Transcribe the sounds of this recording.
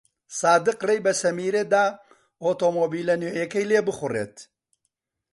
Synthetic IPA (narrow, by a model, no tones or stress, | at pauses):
saːd̪ɨqrejbɐsɐmiːɾed̪aː | oːt̪oːmoːbiːlɐnoʔekɐjleːbɨxʊrḛːt̪